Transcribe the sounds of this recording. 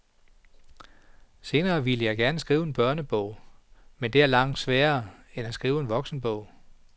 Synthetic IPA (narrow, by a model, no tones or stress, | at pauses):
se̝ːnɐːʋiləjɑ̈ɪɡ̥æɐnəsɡ̥ʁiːʊe̝nb̥ɶɐnəb̥ɔʊ̰mend̥e̝æɐlɑ̈ŋ̰d̥sʋæːɐːenæsɡ̥ʁiːʊe̝nʋɒ̽ɡ̥sn̩b̥ɔ̽ʊ̰